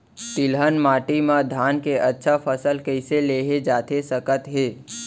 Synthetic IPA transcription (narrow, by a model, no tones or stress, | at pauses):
t̪ɪlɦənmaːʈimãd̪ʱaːnkeʔətːʃʰapʰəsəlkəɪseleːɦed͡ʒaːt̪ʰesəkət̪ɦeː